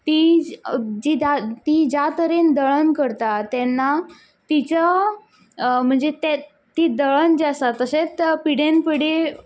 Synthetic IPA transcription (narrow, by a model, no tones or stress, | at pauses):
t̪i | d͡ʑid̪at̪id͡ʑat̪əɾend̪əɭənkəɾt̪at̪ɛnːa | t̪it͡ɕa | m̤əɳd͡zet̪e | t̪iːd̪əɭənd͡ʑasat̪ːəset͡spiɽẽnpiɽe